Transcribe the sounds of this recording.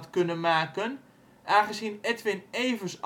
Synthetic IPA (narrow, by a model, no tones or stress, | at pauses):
tkønənmaːkən | ʔaːχəzinɛtʋɪneːvəs